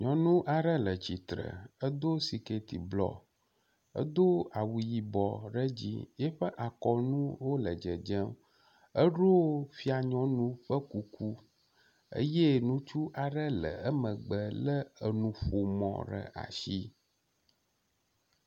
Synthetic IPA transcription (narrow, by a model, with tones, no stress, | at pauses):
ɲɔ̃˨nũ˦ʔa˨ɖə˦lə˨t͡ɕi˨t̪ɾə̰˨ə˦d̪o˦si˨ke˨t̪i˨blɔ̰˨ | ə̰˦d̪o˦a˨wu˨ji˨bɔ˨ɖə˦d͡ʑḭ˦jɛ˦ɸə˦ʔa˨kɔ˨nũ˦wo˦lə˨d͡ʒə˨d͡ʒə˦m | ə˦ɖo˦fi˦a˨ɲɔ̃˦nũ˦ɸə˦ku˨kʰu˦ | ə̰˦je˦nũ˦t͡ʃu˦ʔa˨ɖə˦lə̰˨ə˦mə̃˨ɡ͡bə˨lə˦ə˨nũ˨ɸo˨mɔ̰̃˨ɖə̰˨ʔa̰˨ʃi˦